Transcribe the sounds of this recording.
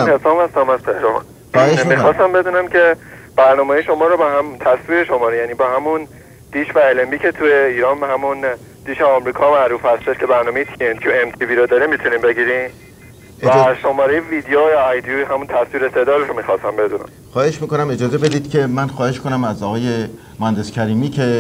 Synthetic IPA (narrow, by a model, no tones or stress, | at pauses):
nhesɒːmhæst̪æmæztʰehɾoɦnː | heʃimixɒːst̪æmbe̞d̪uːnæmcʰe̞b̥æɾnɒːmeːjʃo̞mɒːɾɔbɒhæmt̪ʰæsviːɾeʃo̞mɒːɾejæniːbɒːhæmun | d̪̥iːʃvæelembiːcʰet̪ʰujeiːɾɒːnbhæmun | d̪̥iːʃeɒmɾiːkʰɒːmæɾuːfhæst̪eʃkʰe̞bæɾnɒːme̞jet̪ʰient̪ʰjuemt̪ʰiviːɾod̪ɒːɾimit̪ʰunimbe̞ɡiːɾin | væʃo̞mɒːɾejeviːd̪ejojjd̪juɦæmunt̪ʰæsviːɾesed̪ɒːɾoʃomiːxɒːsæmbe̞d̪unæ̰mxɒːhe̞ʃmiːkonæmed͡ʒɒːzebe̞d̪iːd̪̥cʰe̞mænxɒːhe̞ʃkonæmæzɒːɣɒːje̞ | mohænd̪escʲʰæɾiːmiːcʰe̞